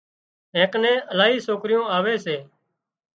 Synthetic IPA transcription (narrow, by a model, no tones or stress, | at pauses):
ɦẽːknẽːəlaːɦiːsoːkɾɪjõːaːʋeːseː